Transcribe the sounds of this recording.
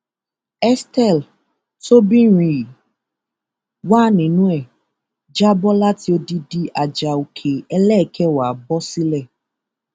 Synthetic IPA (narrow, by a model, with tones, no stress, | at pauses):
ɛ˦stɛ˦˨l | so˦bi˦ɾ̃ĩ˨ | wa˦˨nĩ˨nũ˦ɛ˦˨ | d͡ʒa˦bɔ˦la˦ti˦o˦di˦di˦ʔa˨d͡ʒa˨o˨kʰe˨ɛ˧lɛ˦˨kʰɛ˦wa˨bɔ˦si˦lɛ˦˨